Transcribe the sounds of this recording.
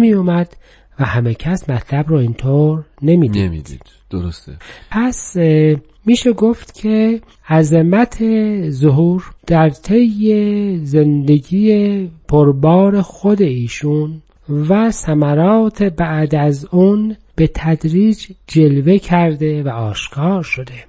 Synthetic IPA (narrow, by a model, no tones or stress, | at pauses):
mijomæd̪̥ | væhæme̞cʰæsmæt̪ʰlæbɾɔːint̪ʰoːɾne̞miːd̪iid̪ḭ̥ | d̪̥oɾst̪pʰæs | miːʃeɡo̞ft̪cʰe | æzemæt̪ʰezoɦuːɾd̪̥æɾt̪ʰe̞jːeze̞nd̪e̞ɡiːjepʰoɾbɒːɾe̞xod̪e̞iːʃun | væsæmæɾɒːt̪ʰe̞bæʔd̪æzunb̥e̞t̪ʰæd̪ɾiːd͡ʒd͡ʒe̞lvecʰæɾd̪e̞væɒːʃkʰɒːɾʃo̞d̪e̞